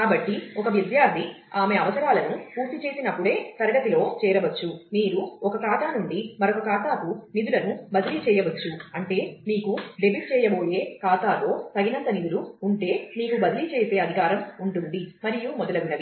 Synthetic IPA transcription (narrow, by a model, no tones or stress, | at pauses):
kaːbɐʈːiɔkɐʋjid̪jaːɾd̪ʱi | aːme̞ɐʋɐsɐɾaːlɐnupuːɾt̪it͡ʃeːsinɐpːuɽe̞ːsɐɾɐɽɐt̪ilo̞ːt͡ʃɛːɾɐʋɐt͡ʃːumiːɾuɔkɐkaːt̪aːnuɳɖimɐɾokɐkaːt̪aːkunid̪ulɐnubɐd̪ilit͡ʃɛːjɐʋɐt͡ʃːuɐɳʈe̞ːmiːkuɖebiʈ̚t͡ʃɛːjɐbo̞ːje̞ːkaːt̪aːlo̞ːt̪ɐɡinɐnt̪ɐnid̪uluːɳʈe̞ːmiːkubɐd̪ilit͡ʃɛːse̞ːɐd̪ʱikaːɾɐmuɳʈund̪imɐɾijumɔd̪ɐlɐʋinɐʋi